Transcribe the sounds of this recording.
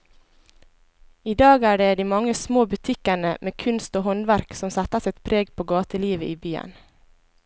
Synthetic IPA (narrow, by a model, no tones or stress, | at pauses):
iːd̪ɑːɡæːɖeːd̪iːmɑŋəsmoːbʉt̪ʰɪkəɳəmeːkʰʉnst̪oːhɔnʋæɾksɔmsæt̪əsɛt̪pʰɾeːɡpʰoːɡɑːt̪əliːʋəʔiːbyːə̰n